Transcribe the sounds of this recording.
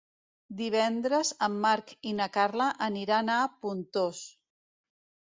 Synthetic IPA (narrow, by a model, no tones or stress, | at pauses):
d̪iβ̞ɛnd̪ɾəzəmːaɾkinakaɾlaʔəniɾanapunt̪os